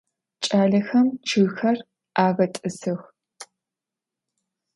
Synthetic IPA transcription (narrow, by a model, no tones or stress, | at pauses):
t͡ʃʼaːɮɐxɐmt͡ʃʰɨɣxɐr | aːɣɐtʼɨsɨx